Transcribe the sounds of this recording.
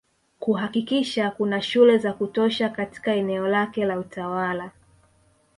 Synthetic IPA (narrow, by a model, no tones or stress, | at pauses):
kuɦakikiʃakunaʃulɛzakutɔʃakati̥kaɛnɛɔlakɛlautawala